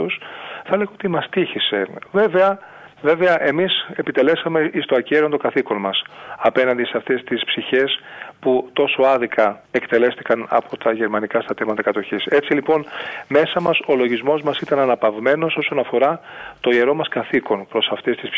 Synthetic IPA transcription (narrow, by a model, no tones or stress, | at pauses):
osθɐleɣɐot̪imɐst̪içise̞ve̞ve̞ɐ | ve̞ve̞ɐʔe̞mise̞pit̪e̞le̞sɐme̞ʔist̪oɐceɾiont̪o̞ɡɐθiko̞nmɐsɐpe̞nɐnd̪iseɐft̪e̞st̪ispsiçe̞sput̪o̞so̞ɐðikɐe̞kt̪e̞le̞st̪i̥kɐnɐ̰pʰo̞t̪ʰɐʝe̞ɾmɐnikɐst̪ɐt̪emɐt̪ɐkɐt̪o̞çise̞t͡silipo̞nme̞sɐmɐso̞lo̞ʝizmo̞zmɐsit̪ɐnɐnɐpɐvme̞no̞so̞so̞nɐfo̞ɾɐt̪o̞ie̞ɾo̞mɐskɐθiko̞npɾo̞sɐft̪e̞st̪is